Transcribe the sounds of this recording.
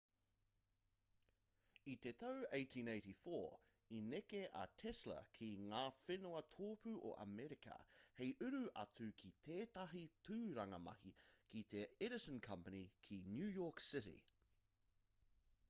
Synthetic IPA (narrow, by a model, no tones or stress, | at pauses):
it̪et̪ʰɐweɪt̪ʰĩneɪtifoː | inekeʔɐ̰t̪ʰɛslə̰kʰiŋaːfenoɐt̪ʰoːpʉʔo̰ʔɐ̰mɛɾikɐ̰hejʔʉɾʉʔɐ̰t͡sʉkʰit̪ʰeːt̪ɐɦitʰʉːɾɐŋɐmɐ̰hikit̪eɛɾɪsə̃nkʰɐmpənikʰinjʉːjɔːksɪɾḭ